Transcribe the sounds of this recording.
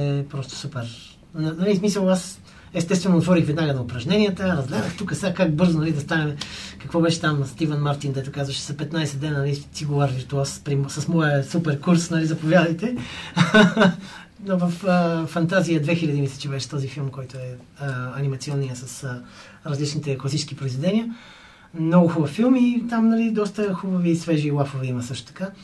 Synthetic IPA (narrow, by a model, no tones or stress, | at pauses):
ɛpɾɔst̪ʊ̥supɛɾ | nɐnɐlismisəlˠas | ɛst̪ɛst̪vɛnonːɐt̪vɔɾixvɛd̪naɡənɐʊpɾɐʒnɛnijət̪əɾəzɡlʲɛd̪əxt̪ukəsakak̚bɤɾzonɐlid̪ɐst̪anɛmɛkɐkvɔbɛʃɛ̥t̪amst̪ivənmaɾt̪ind̪ɛt̪ʊkazvɐʃɛ̥zɐpɛt̪najsɛd̪ɛnənɐlisiɡovəɾviɾt̪uaspɾimsɐsmɔjəsupɛɾkuɾsnɐlizɐpovʲjad̪əjt̪ɛ | novəfəːɐnt̪azijəd̪vɛxilʲɐd̪imisɛ̥t͡ʃɛbɛʃɛ̥t̪ɔzifilˠmkɔjt̪ʊɛ | əɐnimɐt̪siɔnːijəsɐs | ɾɐzlit͡ʃnit̪ɛklˠɐsit͡ʃskipɾoizvɛd̪ɛniə | mnɔɡʊxʊbɐfilˠmit̪amnɐlid̪ɔst̪əxubɐviːsvɛʒiːlˠafovɛimɐsɤəʃt̪ʊ̥t̪ɐ̥ka